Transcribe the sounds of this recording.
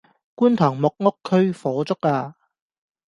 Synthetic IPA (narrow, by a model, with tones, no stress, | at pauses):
kuː˥nt̪ʰɔː˨˩ŋmʊ˨k̚ŋʊ˥kʰːɵ˥ɥfɔː˨˥t͡sʊ˥kaː˧